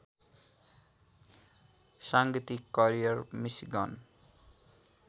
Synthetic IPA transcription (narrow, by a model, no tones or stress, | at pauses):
saŋɡit̪ikːʌɾijʌrmisiɡʌn